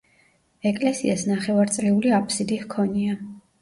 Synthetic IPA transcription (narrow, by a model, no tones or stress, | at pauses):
ɛkʼlɛsḭasnaχɛvaɾt̪sʼɾɛuliapʰʼsid̪ihkʰɔnia